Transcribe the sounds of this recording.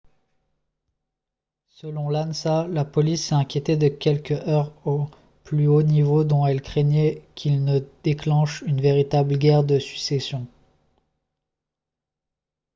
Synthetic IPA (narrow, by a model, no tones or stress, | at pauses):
səlɔ̃lansalapɔlisɛɛ̃kʲjet̪ed̪əkʲɛlkœʁo | plyonivod̪ɔ̃ɛlkχeɲɛkʲʰilnəd̪̥eklɑ̃ʃynveʁit̪abləɡʲɛʁd̪əsy̥ksɛsjɔ̃